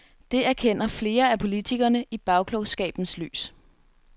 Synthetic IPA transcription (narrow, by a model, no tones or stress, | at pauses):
d̥e̝æɐkʰen̰ɐfle̝ːɐæpʰo̝lit͡sʰiɡ̥ɐnəʔib̥ɑ̈ʊkʰlɒʊsɡ̥ɛ̰ːb̥n̩sly̰ːs